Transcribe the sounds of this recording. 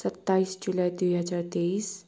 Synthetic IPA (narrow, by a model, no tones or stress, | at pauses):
sət̪ːaiːsd͡ʒulad̪ʋijɦəd͡zaɾt̪eiːs